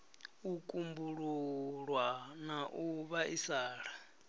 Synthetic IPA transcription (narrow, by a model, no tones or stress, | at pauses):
ukʼumbuɺuɺwanaʔuβaʔisaːɺa